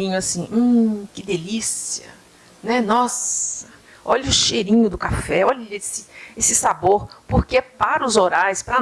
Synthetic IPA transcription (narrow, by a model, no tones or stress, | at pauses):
ĩɲʊasĩũkɪd̪elisiɐ̰ | nɛnɔsɐ | ɔʎʊʃejɾĩɲʊd̪ʊkafɛɔʎɐesɪesɪsaboɾpoɾkepaɾʊzoɾajspɾɐ